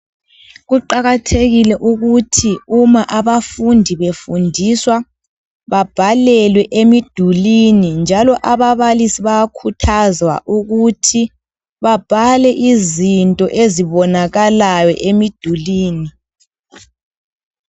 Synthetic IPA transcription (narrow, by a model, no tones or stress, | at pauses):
ɣuǃaɣatʰeɣilɛʔuɣutʰiumaʔaβafundʱiβefundʱiswa | βab̥ʱalɛlwɛʔemid̥ʱulinind͡ʒʱalɔʔaβaβalisiβajakʰutʰazwa̰ʔuɣutʰi | βab̥ʱalɛʔizintʼɔʔeziβɔnaɣalajɔ̰ʔemid̥ʱuliːni